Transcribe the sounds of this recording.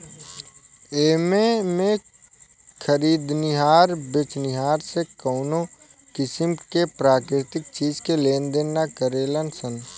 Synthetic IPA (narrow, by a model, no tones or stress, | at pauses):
eːmemẽ | kʰəɾiːd̪nɪɦaːɾbɪt͡ʃnɪɦaːɾsekəʊnokɪsɪmkepɾaːkɾɪt̪ɪk̚t͡ʃiːzkeleːnd̪eːakəɾeːlənsən